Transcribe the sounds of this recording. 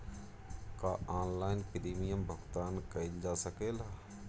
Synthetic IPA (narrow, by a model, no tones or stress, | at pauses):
kaːʔaːnlaːɪnpɾiːmijəmbʱəɡt̪aːnkɐild͡ʒaːsəkeːla